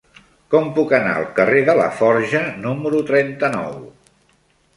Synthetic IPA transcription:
kɔmpukəna̰əlˠkəreðələfɔɾʒənuməɾut̪ɾɛnt̪ənɔw

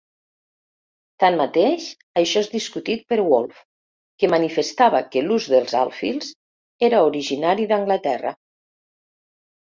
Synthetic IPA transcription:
t̪anmat̪eʃ | əʃɔezðiskut̪it̪̚pəɾwolˠf | kəmənifəst̪aβəkəluzðəlˠza̰lˠfḭlˠz | eɾəuɾiʒinaɾiðəŋɡlət̪ɛrə̰

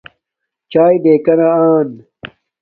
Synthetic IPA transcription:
t͡ɕaːjd̪eːkɐnaaːn

